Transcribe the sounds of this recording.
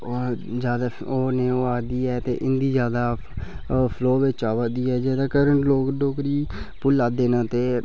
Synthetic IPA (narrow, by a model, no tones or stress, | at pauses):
od͡ʒjaːd̪aː | oːneːoːaːd̪iːɛːt̪ḛːʔɪnd̪iːzjaːd̪aː | pʰloːʋet͡ʃaːʋəd̪iːɛːd͡ʒeːd̪aːkəɾəɳʈloːkɖoːkɾiːpʊlːaːd̪eːnãːt̪eː